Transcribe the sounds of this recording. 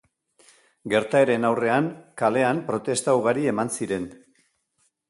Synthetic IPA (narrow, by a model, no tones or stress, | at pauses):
ɡe̞ɾt̪ae̞ɾe̞nawre̞aŋkale̞ampɾo̞t̪e̞st̪awɣaɾie̞mansiɾe̞n